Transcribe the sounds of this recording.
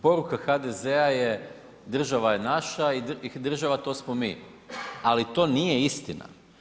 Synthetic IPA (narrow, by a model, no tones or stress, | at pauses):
po̞ɾukaxad̪ezeaje | d̪r̩ʒaʋajenaʃaid̪d̪r̩ʒaʋat̪o̞ːsmomiː | alit̪o̞ːnijeist̪ina̰